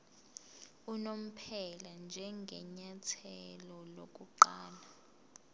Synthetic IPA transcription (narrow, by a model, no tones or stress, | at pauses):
unom̩pʰɛland͡ʒʱɛŋɡʱɛɲatʰɛlɔlok̬ʼuǃaːla